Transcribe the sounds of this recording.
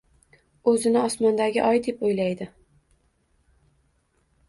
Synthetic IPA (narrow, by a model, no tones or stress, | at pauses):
ɵzɪnɪɒsmɒnd̪aɡʲɪʔɒjd̪e̞pojlajd̪ɪ